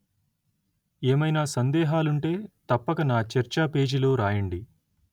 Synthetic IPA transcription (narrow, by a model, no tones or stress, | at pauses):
eːmɐjnaːsɐnd̪ɛːɦaːluɳʈe̞ːt̪ɐpːɐkɐnaːt͡ʃɐɾt͡ʃaːpe̞ːd͡ʒilo̞ːɾaːjɐɳɖi